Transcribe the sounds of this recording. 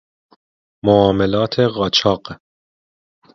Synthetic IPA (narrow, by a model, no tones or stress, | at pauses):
moɒːmelɒːt̪ʰeʁɒːt͡ʃʰɒːɢ